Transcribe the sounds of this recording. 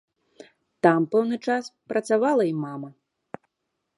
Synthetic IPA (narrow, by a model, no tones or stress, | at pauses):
t̪ampɛwnɨt͡ʂaspɾʔɐt̪savalˠɐimamɐ